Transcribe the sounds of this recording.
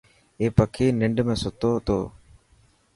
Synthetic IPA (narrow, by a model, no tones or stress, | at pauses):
eːpəkʰeːnɪɳɖmẽːsʊt̪oːɦʊt̪o̰ː